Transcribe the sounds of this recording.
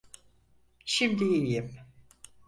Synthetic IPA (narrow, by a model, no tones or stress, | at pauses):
ʃimd̪iijim